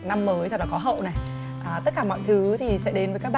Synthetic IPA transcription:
na˧mːəː˨˦jt͡ɕ̪a˧˩laː˨˩kɔ˨˦ɦə̰˧˨wna˨˩j | ʔaː˨˩t̪ə˦˥t̚kaː˧˩mɔ̰˧˨jt̪ʰɨ˨˦t̪ʰi˨˩sɛ̰˧˥ɗe˨˦nvəː˨˦kaː˦˥ɓa˧

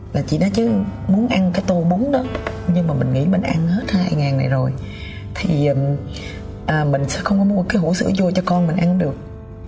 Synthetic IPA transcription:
laː˨˩t͡ɕḭ˧˩˨nɔ˨˦t͡ɕɨ˨˦mu˨˦nʔa˧nkaː˨˦jt̪o˧˩ɓo˨˦ŋ͡mɗɔ˨˦ | ɲɨ˧ŋmaː˨˩mï˨˩ŋ̟ŋḭ˧˥mi˨˩ŋ̟ʔa˧nhe˦˥t̚haː˧jŋaː˨˩na̰˨˩jzo˨˩j | t̪ʰi˨˩ʔəː˨˩ | ʔəː˨˩mï˨˩ŋ̟sɛ̰˧˥xə˧wŋ͡mkɔ˨˦m˨˧˦kaː˨˦jɦu˧˩sɨ̰˧˥əzo˧t͡ɕɔ˧kɔ˧nmï˨˩ŋ̟ʔa˧ɗɨ˨˩ək̚

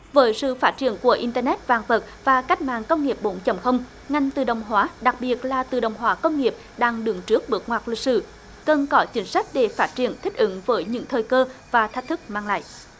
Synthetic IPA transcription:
vəː˨˦jsɨ̰˧˨faː˦˥t̚t͡ɕi˧˩ənku˧˩əʔi˧nt̪əː˧nɛ˦˥t̚vaː˨˩ŋvə˨˩t̚vaː˨˩ka˦˥k̚ma̰ː˧˨ŋkə˧wŋ͡mŋi˨˩əp̚ɓo˨˦nt͡ɕə˨˧˩wŋ͡mxə˧wŋ͡m | ŋa˧˩jŋ̟t̪ɨ˨˩ɗə˨˩wŋ͡mɦwaː˨˦ɗa˨˩k̚ɓi˨˩ət̚laː˨˩t̪ɨ˨˩ɗə̰˨˩wŋ͡mɦwaː˨˦kə˧wŋ͡mŋi˨˩əp̚ | ɗaː˧ŋɗɨ˨˩əŋt͡ɕɨ˦˥ək̚ɓɨ˨˩ək̚ŋwaː˨˩t̚li˨˩k̚sɨ̰˧˩ | kə˨˩nkɔ˨˦t͡ɕï˨˦ŋ̟sa˦˥k̟̚ɗe˨˧˩faː˦˥t̚t͡ɕḭ˧˩ənt̪ʰï˦˥k̟̚ʔɨ˧˨˦ŋvəː˨˦jɲɨ̰˧˥ŋt̪ʰəː˨˩jkəː˧vaː˨˩t̪ʰk̚t̪ʰɨ˦˥k̚maː˧ŋla̰ː˧˨jʔ

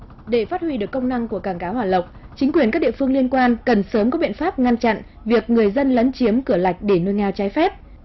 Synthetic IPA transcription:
ɗe˧˩faː˦˥t̚hwi˧ɗɨ˨˩əkːə˧wŋ͡mna˧ŋku˧˩əkaː˧˩ŋkaː˨˦whwaː˨˩lə˨˩wk͡p̚t͡ɕï˨˦ŋ̟kwi˨˩ənka˦˥ɗḭ˧˨fɨ˧əŋli˧ənkwaː˧nkə˨˩nsəː˨˦mkɔ˨˦ɓḭ˧˨ənfaː˦˥p̚ŋa˧nt͡ɕa̰˧˨n | vi˨˩ək̚ŋɨ˨˩əjzə˧nlə˨˦nt͡ɕi˨˦əmkɨ˧˩əla˨˩jk̟̚ɗe˧˩nu˧jŋɛ˧wt͡ɕaː˨˦jfɛ˦˥p̚

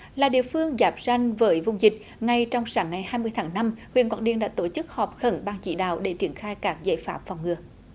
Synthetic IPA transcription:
laː˨˩ɗḭ˧˨əfɨ˧əŋzaː˨˥p̚za˧jŋ̟vəː˨˦jvʊ˧wŋ͡mzï˨˩k̟̚ | ŋa˧jt͡ɕɔ˧wŋ͡msaː˨˦ŋːa˨˩jhaː˧jmɨ˧əjt̪ʰaː˨˦ŋna˧mxwḭ˧˨ənkwa̰ː˧˩nɗḭ˧ənɗa̰ː˧˥t̪o˧˩t͡ɕɨ˦˥k̚hɔ˨˩p̚xə˧˩nɓaː˧ŋt͡ɕḭ˧˥ɗa̰ː˧˨wɗe˧˩t͡ɕi˧˩ənxaː˧jkaː˦˥k̚za̰ː˧˨jfaː˦˥p̚fa˨˩wŋ͡mŋɨ˨˧˩ə

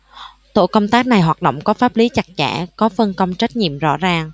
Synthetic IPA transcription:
t̪o̰˧˨kə˧wŋ͡mt̪aː˦˥k̚na˨˩jɦwaː˨˩t̚ɗo̰˧˨wŋ͡mkɔ˨˦faː˦˥p̚li˨˦t͡ɕa˨˩k̚t͡ɕa̰ː˧˩kɔ˨˦fə˧nkə˧wŋ͡mt͡ɕa˦˥t̟̚ɲḭ˧˨əmzɔ̰˧˥zaː˨˩ŋ

